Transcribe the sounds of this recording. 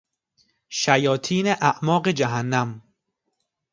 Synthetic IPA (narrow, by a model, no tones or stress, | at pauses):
ʃæjɒːt̪ʰiːneʔæʔmɒːɢed͡ʒæɦænːæm